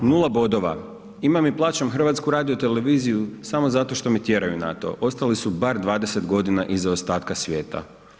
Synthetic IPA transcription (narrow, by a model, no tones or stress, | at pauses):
nulˠabo̞d̪o̞ʋa̰ | imamiplˠaːt͡ɕamxr̩ʋat̪skuɾaːd̪iot̪ele̞ʋiːzijusamo̞zat̪o̞ʃt̪o̞met̪je̞ɾajuna̰t̪o̞̰ʔo̞st̪alisubaɾd̪ʋaːd̪e̞se̞t̪ɡo̞d̪inaʔizaost̪aːt̪kasʋjeːt̪a̰